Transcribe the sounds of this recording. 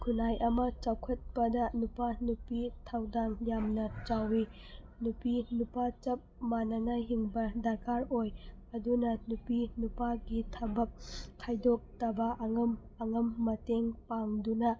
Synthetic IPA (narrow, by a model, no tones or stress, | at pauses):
kʰunajʔɐmɐt͡ʃawkʰɐt̚pɐdɐnupanupitʰawdanjamnɐt͡ʃawi | nupinupat͡ʃɐp̚manɐnɐɦiŋbɐdaɾkʰaɾoj | ɐdunɐnupinupaɡitʰɐbɐp̚kʰajdok̚tɐbɐʔɐŋɐm | ɐŋɐmːɐteŋpaŋdunɐ